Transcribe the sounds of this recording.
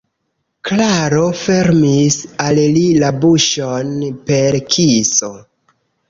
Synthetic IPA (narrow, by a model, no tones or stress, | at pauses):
klaɾo̞fe̞ɾmisallilabuʃonpe̞ɾkʰiso̞